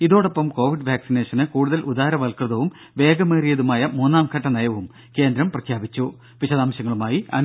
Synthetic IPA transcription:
iðo̞ːɽo̞pːɐmko̞ːʋiɖʋjaːksine̞ːʂɐnɨkuːɽuðɐlʔud̪aːɾɐʋɐlkrɨðɐʋum | ʋe̞ːɡɐmeːrijɐðumaːjɐmuːnːaːmkʰɐʈːɐnɐjɐʋum | ke̞ːnd̪ɾɐmprɐkʰjaːbit͡ɕːu | ʋiɕɐðaːmɕɐŋːɐɭumaːjiɐ̰n

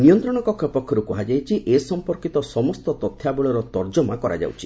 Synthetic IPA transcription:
niɔnt̪ɾɔɽ̃ɔkɔkʰjɔpɔkʰːɔɾukɔɦad͡ʒajt͡ʃʰiʔesɔmpɔɾkit̪ɔsɔmɔst̪ɔt̪ɔt̪ʰːjabɔɭɔɾɔt̪ɔɾd͡ʒɔmakɔɾa̰d͡ʒa̰wt͡ʃʰi̥

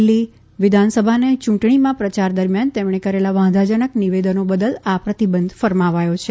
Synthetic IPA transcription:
lːi | ʋɪd̪ʱansəbʱanet͡ʃũʈɳimãpɾət͡ʃaɾd̪əɾmjant̪emɳekəɾelaʋãd̪ʱad͡ʒənəkniʋed̪ənobəd̪əlapɾət̪ibənd̪ʱfəɾmaʋajot͡ʃʰe

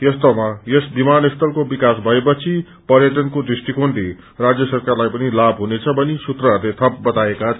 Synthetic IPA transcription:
jʌst̪ʌmajʌsbimanest̪ʌlkobikasbʱʌepʌt͡sʰi | pʌɾjʌʈʌnkod̪risʈikʰonɖ̪i | rad͡zjʌsʌrkarlajpʌnilabʱɦunet͡sʰʌbʌnisut̪rʌɦʌɾlet̪ʰʌp̚bʌt̪aeka

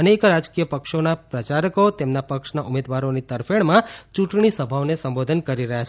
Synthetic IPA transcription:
ənekɾad͡ʒkijəpəkʃonapɾət͡ʃaɾəkot̪emnapəkʃnaʔumed̪ʋaɾonit̪əɾfʰeɭmãt͡ʃũʈɳisəbʱaʋnesəmbod̪ʱənkəɾiɾəɦjat͡ʃʰ

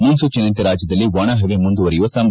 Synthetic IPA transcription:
munsut͡ʃɐnɐnt̪ɐɾaːd͡ʒjɐd̪ɐlːiʋɐːɳɐɦɐʋemund̪uʋɐɾɛjuʋɐsɐm

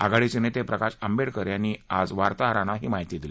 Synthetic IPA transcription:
a̰ɡaɭit͡senet̪epɾəkaɕəmbeɽkəɾjaniad͡zʋaɾt̪aɦɾanaɦiːmaɦit̪id̪ile

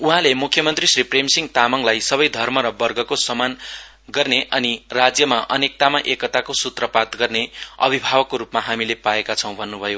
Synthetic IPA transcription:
uɦãlemukʰjʌmʌnt̪risripʰremsiŋɡt̪amʌŋlajsʌbʌjd̪ʱʌrmʌɾʌbʌrɡʌkosʌman | ɡʌrneʔʌnirad͡zjʌmaʔʌnek̚t̪amaʔekʌt̪akosut̪rʌpat̪ɡʌrneʌ̰bʱibʱawʌkːoɾupmaɦamilepaekat͡sʰʌ̃w̃bʱʌnːubʱʌjo

